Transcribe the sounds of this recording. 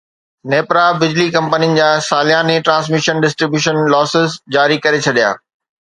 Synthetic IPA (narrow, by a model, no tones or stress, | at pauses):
neːpɾabɪd͡ʑlikɐ̃mpənijənɪ̆d͡ʑaːsaːlijãːnẽʈɾãːns̬mɪʃənɖɪsʈɾɪbjuːʃənlɔːsɪzd͡ʑaːɾikɐɾet͡ɕʰɐɗija̰ː